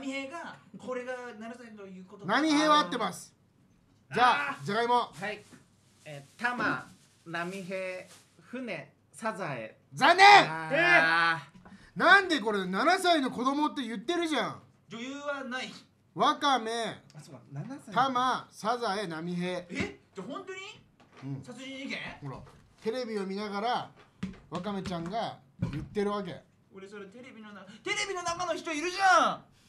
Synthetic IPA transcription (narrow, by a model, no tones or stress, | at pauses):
mʲiheɡakoɾeɡananasat̪okot̪namʲiheːβaːt̪ːe̞masɨ̥ | d͡ʑaːzakaimoai | et̪ama | namʲiɦeː | ɸɯ̟ne | sazaḛ | d͡zanːe | nãnd̪e̞ko̞ɾenanasaino̞ko̞d̪o̞mo̞t̪ːe̞jɯ̟t̪ːe̞ɾɯ̟ʑã | d͡ʑojɯːβanai | βakame̞ | t̪amasazaenamʲiɦeed͡ʑahõnt̪oɲ̟i | ɯ̟̃ːsat͡sɨiiɡekoɾa̰ | t̪e̞ɾe̞bʲio̞mʲinaɣaɾa | βakame̞t͡ɕãŋɡa | jɯ̟t̪ːe̞ɾɯ̟βak̬e̞̰ | oɾesoɾet̪eɾebʲinonat̪e̞ɾe̞bʲino̞nakanoçi̥t̪oiɾɯ̟ʑã